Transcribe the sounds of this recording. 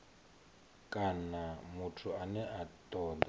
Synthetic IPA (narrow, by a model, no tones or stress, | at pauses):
kʼanamutʰuanɛʔatʼɔːda